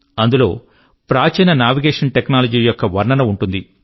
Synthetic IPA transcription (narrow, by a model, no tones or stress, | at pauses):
ɐnd̪ulo̞ː | pɾaːt͡ʃɐjnɐnaːʋiɡeːʂɐnʈeknaːlɐd͡ʒiːjɔkːɐʋɐɾɳɐnɐuɳʈund̪i